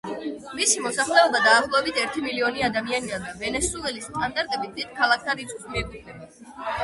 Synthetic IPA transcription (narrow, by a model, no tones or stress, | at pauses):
misimɔsaχlɛɔbad̪aːχlˠɔɛbit̪ʰɛɾt̪ʰimiliɔniad̪amianid̪and̪avɛnɛsuɛlist̪ʼand̪aɾt̪ʼɛbid̪id̪̥̚kʰalˠak̚ʰt̪ʰaɾit̪sʼkʼsmiɛɾd̪id̪ɛba